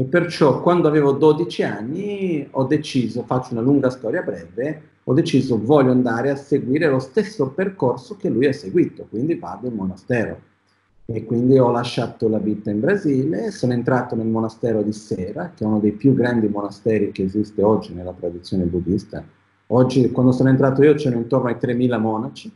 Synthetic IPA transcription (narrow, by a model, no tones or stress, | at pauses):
epːert͡ʃɔkːwand̪oavɛːvod̪od̪it͡ʃianːiɔd̪ːet͡ʃiːzofat͡ʃːounaluŋɡast̪ɔːɾjabɾɛve | ɔd̪ːet͡ʃiːzovɔlːoand̪aːɾeaseɡwiːɾelost̪esːoperkorsok̟elːujasːeɡwiːt̪okwind̪ivad̪oilmonast̪ɛːɾo̰ | ekːwind̪iɔlːaʃːat̪olavit̪aimbɾaziːlsonoent̪ɾaːt̪onelmonast̪ɛːɾod̪isɛːɾak̟eɛunod̪ejpjuɡːɾand̪imonast̪ɛːɾik̟eːzist̪eɔd͡ʒːinelːat̪ɾad̪it̪sːjoːnebud̪ḭst̪a̰ | ɔd͡ʒːikwand̪osoːnoent̪ɾaːt̪oiːot͡ʃɛːnoint̪ornoajt̪ɾemːiːlamɔːnat͡ʃi